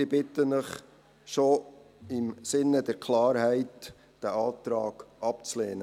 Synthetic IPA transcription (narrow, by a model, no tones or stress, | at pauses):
ɪbɪtənəχ | ʃo | ɪmsɪnːədəɾkʰlɑːɾhɛɪt | d̥æʔɑːt̪ɾɑːɡ̥ʔɑp̚t͡sleːnə